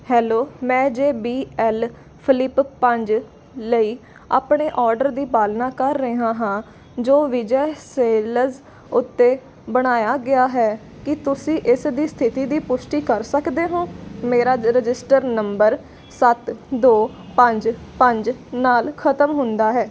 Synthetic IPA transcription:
hɛːloːmɛ̃ːd͡ʒeːbiːɛːl | pʰɪlɪppəɲd͡ʒ | ləiː | a̰ːpɳeːʔɔːɾɖəɾd̪iːpaːlnaːkəɾːəɦãːɦãː | d͡ʒoːʋɪd͡ʒəːseːləɾz | ʊt̪ːeː | bəɽ̃aːjaːɡɪaːɦɛː | kɪt̪ʊsĩːʔɪsd̪iːst̪ʰɪt̪iːd̪iːpʊʃʈiːkəɾsəkd̪eːɦõːmeːɾaːɾɪd͡ʒɪsʈəɾnəmbəɾ | sət̪d̪oː | pəɲd͡ʒpəɲd͡ʒnaːlkʰət̪əmɦʊnd̪aːɦɛː

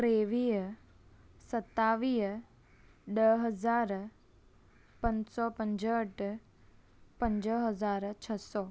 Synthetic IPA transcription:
kɾeʋiː | sət̪ːaʋiː | ɖəɦəd͡zaɾ | pənsɔpəɲd͡zəʈ | pəɲd͡ʑəɦəd͡zaɾt͡ɕʰəsɔ

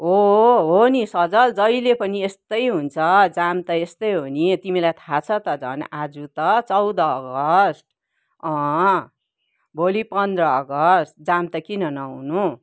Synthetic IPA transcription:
ɦoɦonisʌd͡zʌld͡zʌilepʌniest̪ʌjɦunt͡sʰʌd͡zamt̪ʌest̪ʌjɦonit̪imilajt̪ʰat͡sʰʌt̪ʌd͡zʌ̰nad͡zut̪ʌt͡sʌwd̪ʌːɡʌsʈ̚ | ʌ̃ | bʱolipʌnd̪rʌːɡʌsʈ̪̚d͡zamt̪ʌkinʌnʌwnu

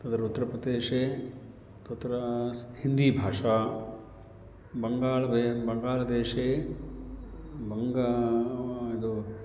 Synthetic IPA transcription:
t̪ɐd̪ɐɾut̪ːɐɾɐpɾɐd̪eːʂeː | t̪ut̪ːɐɾɐshind̪iːbʱaːʂaː | bɐŋɡaːlɐbebɐŋɡaːlɐd̪eːʂeː | bɐŋɡa | id̪u

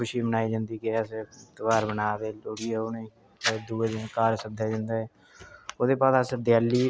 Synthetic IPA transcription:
ʊʃiːbənaːiːd͡ʒə̃nd̪iːkːɛset̪əʋaːɾbənaːd̪eːloːɽiːɛːoːne | d̪uːed̪kaːɾsəd̪ʱaːd͡ʒɪ̃nd̪aːɛː | oːd̪eːpaːsasd̪jaːlːiː

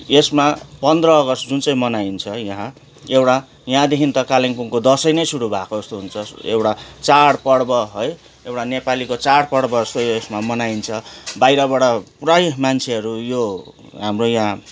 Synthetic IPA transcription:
esmapʌnd̪rʌːɡʌst̪d͡zunt͡sʌj̃mʌnaint͡sʰʌjãɦã | ewʈa | jãd̪ekʰint̪ʌkaliŋpuŋkod̪ʌsʌjnʌjsuɽubʱakod͡zʌst̪oɦunt͡sʰʌḛwʈat͡saɽpʌɽbʌɦʌj | ewʈanepalikot͡saɽpʌɽbʌʌst̪ojoesmamʌnaint͡sʰʌbajɾʌβʌɽapurajmant͡sʰeʌɾujoɦamrojã

